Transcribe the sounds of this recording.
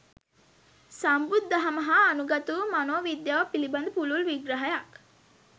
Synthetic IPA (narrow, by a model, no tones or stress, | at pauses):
sambud̪ːɐɦɐməɦaːnuɡɐt̪uʋmanoːʋid̪jaʋəpiliband̪əpululʋiɡɾɐɦɐjak